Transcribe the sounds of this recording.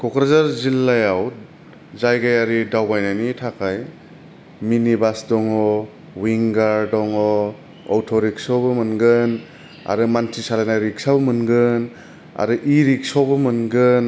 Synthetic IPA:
kɔkɾazaɾzilːajaw | zajɡajaɾidawbajnajnitʰakʰaj | minibasdɔŋɔ | wiŋɡaɾdɔŋɔ | ɔ̰wtʰɔɾiksɔwbɯmɯnɡɯn | a̰ɾɯmantʰisalajnaɾiksabɔmɯnɡɯn | a̰ɾɯʔiɾik̚sɔwbɯmɯnɡɯn

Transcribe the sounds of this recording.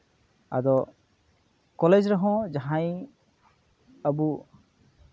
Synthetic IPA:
a̰d̪ɔ | kɔled͡ʒɾaɦɔ̃d͡ʒaɦãj | əbu

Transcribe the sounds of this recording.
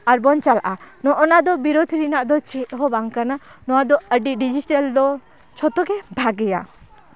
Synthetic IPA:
aɾbɔnt͡ʃalaʔanɔʔɔnad̪ɔbiɾod̪ʱiɾinaʔd̪ɔt͡ʃɛʔɦɔbaŋkananɔwad̪ɔəɖiɖid͡ʒiʈald̪ɔ | t͡ʃʰɔt̪ɔɡɛbʱaɡɛja̰

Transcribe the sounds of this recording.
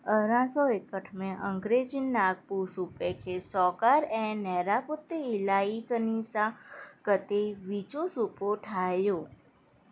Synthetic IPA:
əɾãsɔekəʈʰmẽʔəŋɡɾed͡ʒinːaɡ̚pusupekʰesɔkaɾɛ̃nɛɾaput̪ːeɪlaikənisakət̪eʋit͡ʃosupoʈʰajõ

